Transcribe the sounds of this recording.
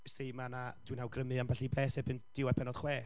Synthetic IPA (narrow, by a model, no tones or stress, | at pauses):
stejmanad̥winhawɡrəmɨamvaɬibɛːsɛbɨnd̥ɪwɛpʰɛnɔd̥χwɛː